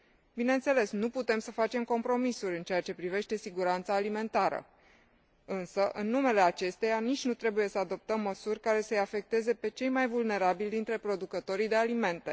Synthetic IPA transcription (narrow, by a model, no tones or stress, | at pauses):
bineɨnt̪se̞le̞snuput̪e̞msəfat͡ʃe̞mko̞mpɾo̞misuɾʲɨnt͡ʃe̞jat͡ʃe̞pɾive̞ʃt̪e̞siɡuɾant̪saːlime̞nt̪aɾə̰ | ɨnsəʔɨnːume̞le̞at͡ʃe̞st̪e̞janit͡ʃʲnut̪ɾe̞buje̞səad̪o̞p̚t̪əmːəsurʲkaɾe̞səjafe̞k̚t̪e̞ze̞pe̞t͡ʃe̞jmajvulne̞ɾabilʲd̪int̪ɾe̞pɾo̞d̪ukət̪o̞ɾid̪e̞alime̞nt̪e̞̰